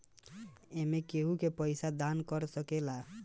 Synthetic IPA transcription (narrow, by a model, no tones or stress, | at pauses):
emekeɦũkepəɪsad̪ankəɾsəkela